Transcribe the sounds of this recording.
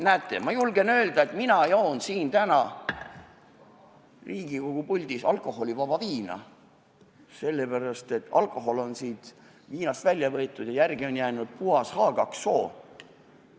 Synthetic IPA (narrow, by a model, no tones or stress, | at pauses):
næːt̪ːˑe̞mɑjulɡe̞nø̞ːld̪ɑe̞t̪minɑjoːnsiːnt̪ænɑ | riːɡ̥iko̞ɡ̥upulʲd̪isɑlkˑo̞ho̞lʲivɑbɑviːnɑ̰ | se̞lːe̞pæɾɑst̪e̞t̪ːɑ̰lko̞ɦo̞lo̞nsiːd̪̥ | viːnɑst̪vælʲjɑvɤ̞et̪ːˑud̪̥jɑjærɡio̞njæːnud̪̥̚puɑshɑːɡ̥ɑksːoː